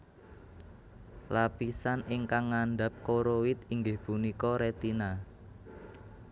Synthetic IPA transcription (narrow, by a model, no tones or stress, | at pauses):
lapisanɪŋkaŋːaɳɖap̚koɾowɪt̪iŋɡɪhpunikɔɾet̪ina